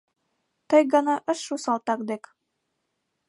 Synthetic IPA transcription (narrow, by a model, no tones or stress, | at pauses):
t̪ɤjɡɑnɑʔɤ̆ʃːusɑlˠt̪ɑkd̪ɘk